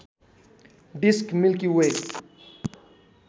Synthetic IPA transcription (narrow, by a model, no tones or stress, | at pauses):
ɖiskmilkiwe